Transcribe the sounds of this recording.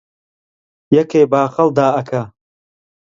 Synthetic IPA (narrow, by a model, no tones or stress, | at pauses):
jɐkʰeːbaːxɐld̪aːɐkʰɐ